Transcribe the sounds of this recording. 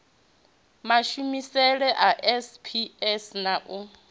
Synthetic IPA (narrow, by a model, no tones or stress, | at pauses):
maʃumisɛɺɛʔaʔɛspʰiɛsnaʔʊ